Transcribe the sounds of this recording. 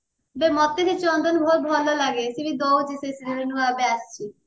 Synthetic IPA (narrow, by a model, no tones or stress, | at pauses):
bemɔt̪ːed̪it͡ɕɔnd̪onbʱobʱɔlolaɡesibid̪owd͡ʑisesiɾiɾenuaabeaʃt͡ɕʰi